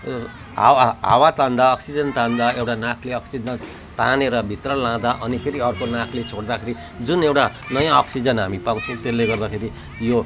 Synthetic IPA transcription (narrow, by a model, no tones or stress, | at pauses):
ɦa̰wɦa̰wat̪ãnd̪aʌksid͡zʌnt̪ãnd̪aewʈanakʰleʌksid͡zʌn | t̪aneɾʌbʱit̪rʌlãd̪aʔʌnipʰeɾiʌrkonãkʰlet͡sʰoɽd̪akʰeɾi | d͡zunewʈa | nʌjãʌksid͡zʌnɦamipaw̃t͡sʰʌ̃w̃t̪elːeɡʌrd̪akʰeɾi | jo